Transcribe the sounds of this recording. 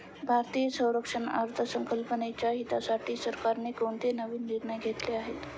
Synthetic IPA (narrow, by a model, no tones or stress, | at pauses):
bʱaɾt̪ijəsə̃w̃ɾəkʂəna̰ɾt̪ʰəsəŋkəlpənet͡ɕjaɦit̪asaʈʰiːsəɾkaɾnekoɳt̪enəʋiːnd͡ʑiɾnaɡʱet̪leaɦet̪